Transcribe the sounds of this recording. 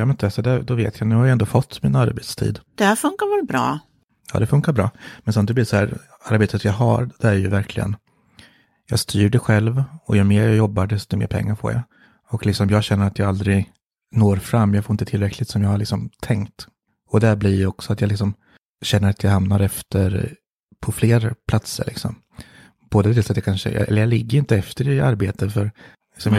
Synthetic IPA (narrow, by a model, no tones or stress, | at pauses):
jɑmɛnt̪ɛsɔd̪æd̪ɔvḛːt̪ʰjanʉ̟ːhaɾjaɛnd̪oːfɔt̪ːmina̰ɾbet̪st̪ʰḭːd̪d̪̥ɛhæɾfɵŋkaɾvɛlbɾɑ̰ː | jɑ̰ːd̪ɛfɵŋkːaɾbɾɑ̰ːmɛnsɔmnd̪ɛblɪsɔhæːɾ | aɾbeːt̪ʰət̪jɑɦaɾd̪ɛæɾjɵ̰væɾkʰlɪ̰ɡə̰n | jɑːɡst̪ʰyːɖɛɧɛlvɔjɵmeːɾjajɔbːaɖɛst̪ʊmḛːɾpʰɛ̰ŋːaɾfʰo̰ːɾja̰ | ɔklɪksɔmjɑːɡɕɛnːəɾat̪jaɡald̪ɾɪ | noːɾfɾamːjɑɡfoɾɪnt̪ət̪ʰɪlɾɛkʰlɪt̪sɔmjɑːɡhaɾɭɪksɔmt̪ʰɛŋkt̪ | ɔd̪ɛæblijɔksɔat̪jalɪksɔm | ɕɛnːəɾat̪jahamnaɾɛft̪ʰəɾ | pʰɔfleːɾpʰlat̪sə̰ɾɭʔɪ̰ksɔ̰m | b̥oːd̪ət̪ʰɪlsat̪jakʰanʂə̰ɛ̰lːəɾjɑlɪɡːəɾjɪnt̪əɛft̪əɾɪaɾbeːt̪əfœɾ | lɪksɔmj